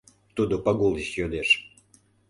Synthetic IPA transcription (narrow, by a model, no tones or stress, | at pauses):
t̪ud̪opɑɡulˠiʃjød̪eʃ